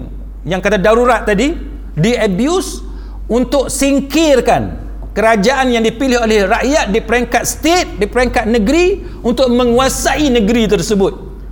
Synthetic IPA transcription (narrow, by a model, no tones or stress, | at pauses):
jaŋkat̪adaɾuɾat̪̚ːadi | diəbjus | unt̪ʊksiŋkɪrkan | kəɾad͡ʒaʔanjaŋdipilɪɦolɛhraʔjat̪̚dipəɾeŋkat̪̚st̪et̪̚dipəɾeŋkat̪̚nə̃ɡɾi | unt̪ʊk̚mə̃ŋuasaʔinə̃ɡəɾit̪̬ərsəbʊt̪̚